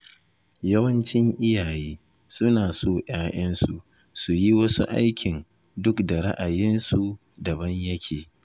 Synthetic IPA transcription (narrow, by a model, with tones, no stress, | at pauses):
jɐ˦wɐ˦nt͡ʃɪ˦ŋʔɪ˦jaː˨jeː˦ | sʊ˦naː˨soː˦˨ʔaː˦j̰ʔɐ˦nsu˨ʔ | su˨ji˦wɐ˦su˦ʔa̰˦jkʲɪ˨n | dʊ˦kda˨ɾa˦ʔa˨jɪ˦nsu˨ | dɐ˨bɐ˦ɲjɐ˦kʲʰeː˨